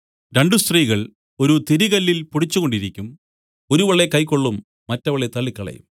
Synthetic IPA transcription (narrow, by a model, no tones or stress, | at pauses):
ɾe̞ɳɖust̪riːɣɐɭ | o̞ɾut̪iɾiɣɐlːilpuɽit͡ɕːuɣo̞ɳɖiɾikʲːum | oɾuʋɐɭːekɐjkːoɭːumː | ɐtːɐʋɐɭet̪ɐɭːikːɐɭɐ̰jṵm